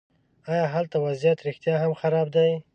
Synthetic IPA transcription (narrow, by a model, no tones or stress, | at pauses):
ɑjɑɦalt̪awazjat̪ɾɪxt̪jɑɦamxaɾɑb̚d̪aj